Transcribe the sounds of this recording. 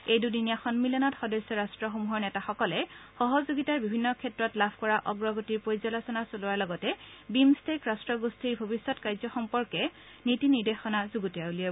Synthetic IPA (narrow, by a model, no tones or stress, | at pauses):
ejdudinijaxɔnmilɔnɔtxɔdɔjsːɔɹastɹɔxomuɦɔɹnɛtaxɔkɔlɛxɔɦɔzoɡitaɹbibʱinːɔkʰɛtɹɔtlabʰʱkɔɹaʔɔɡɹɔɡotiɹpojzɔlɔsɔnasolʊwaɹlɔɡɔtɛbimstekɹastɹɔɡustʰiɹbʱobisːɔtkajzɔxɔmpɔɹkɛ | nitiniɹdexɔnazuɡutijaulie